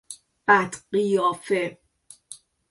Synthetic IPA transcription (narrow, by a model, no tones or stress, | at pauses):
b̥æt̪ɢijɒːfe